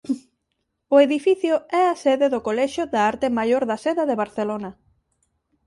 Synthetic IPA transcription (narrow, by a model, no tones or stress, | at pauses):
ʊeðifiθjʊɛaseðeðʊkolɛʃʊðaaɾt̪ɪmajoɾðɐseðaðeβaɾθelonɐ